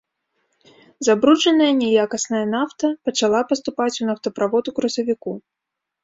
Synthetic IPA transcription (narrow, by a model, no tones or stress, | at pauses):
zabɾut͡ʂɐnɐjɐnʲɛjakɐsnɐjɐnaft̪ɐpɐt͡ʂalˠapɐst̪upat͡sʲunɐft̪ɐpɾavɔd̪ukɾɐsɐvʲiku